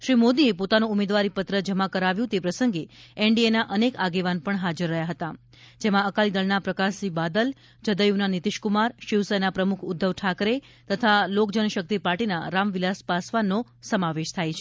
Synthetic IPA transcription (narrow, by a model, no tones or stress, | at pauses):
ʃɾimod̪iepot̪anũumed̪ʋaɾipət̪ɾəd͡ʒəmakəɾaʋjũt̪epɾəsəŋɡeɛɳɖienaʔənekaɡeʋanpəɳɦad͡ʒəɾːəɦjaɦət̪a | d͡ʒemãəkalid̪əɭnapɾəkasibad̪əl | d͡ʒəd̪əjunanit̪ɪʃkumaɾʃiʋsəjnapɾəmukʰʊd̪ʱːəʋʈʰakɾe | t̪ət̪ʰalokd͡ʒənəʃək̚t̪ipaɾʈina̰ɾamʋilaspasʋanːo | səmaʋeʃt̪ʰajt͡ʃʰe